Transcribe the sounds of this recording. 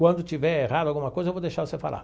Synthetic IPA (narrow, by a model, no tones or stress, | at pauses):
kwɐ̃nd̪ʊt͡ʃ̪ivɛerad̪ʊalɡumɐkɔjzɐevod̪eʃaɾsɪfa̰lʔa̰